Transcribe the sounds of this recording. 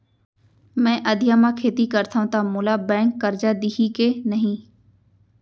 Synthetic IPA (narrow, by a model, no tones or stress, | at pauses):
mɛ̃ːʔəd̪ʱɪjãːmãːkʰeːt̪ikəɾt̪ʰaːɦũːt̪aːmʊlaːbɛ̃ːŋkːəɾd͡ʒaːd̪iɦikeːnəɦĩː